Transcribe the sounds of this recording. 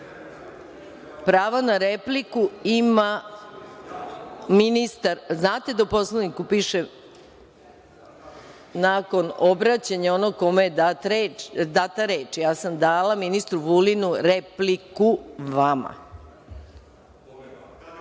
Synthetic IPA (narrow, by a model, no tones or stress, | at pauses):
pɾaːʋanaɾeplikuima | minist̪aɾznaːt̪e̞d̪aupo̞slˠanikupiːʃe | naːko̞no̞bɾat͡ɕaɲaonoɡ̚ko̞mejed̪aɾed̪at̪aɾeːt͡ʃijaːsamd̪aːlaminist̪ɾuʋulinuɾeplikuʋama̰